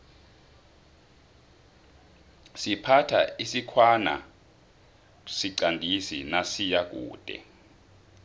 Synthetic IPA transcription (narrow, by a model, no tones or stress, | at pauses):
sipʰatʰa̰isikʰwana̰ | siǀandʱisḭnasijak̬ṵːd̥ʱʼɛ̰